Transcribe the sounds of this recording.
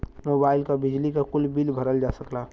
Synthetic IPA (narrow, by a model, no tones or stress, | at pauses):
moːbaːɪlkabɪd͡ʒlikakʊlbiːlbʱɐɾəld͡ʒaːsəklaː